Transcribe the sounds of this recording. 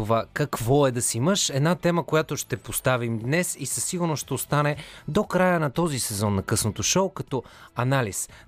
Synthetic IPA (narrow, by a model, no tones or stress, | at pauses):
ovakɐkvɔɛd̪ɐsiiməʃɛd̪nat̪ɛməkojat̪oʃt̪ɛpost̪avimd̪nɛsisɐsiɡʊɾnosʃt̪ɛost̪anɛd̪okɾajənɐt̪ɔzisɛzɔnːɐkɤsnot̪oʃowkɐt̪ɔɐnalis